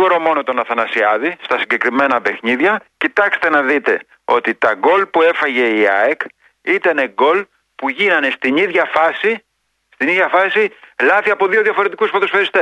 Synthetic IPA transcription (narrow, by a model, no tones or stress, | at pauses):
oɾomo̞no̞t̪o̞nɐθɐnɐsiɐðist̪ɐsiɟe̞kɾime̞nɐpe̞xniðʝɐcit̪ɐkse̥t̪e̞nɐðit̪e̞ | o̞t̪it̪ɐɡo̞lpue̞fɐʝe̞iɐ̰ek | it̪ɐne̞ɡo̞l | puʝinɐne̞st̪iniðʝɐfɐsi | st̪iniðʝɐfɐsilɐθiɐpo̞ðio̞ðjʝɐfo̞ɾe̞t̪ikusfɐt̪o̞sfeɾist̪e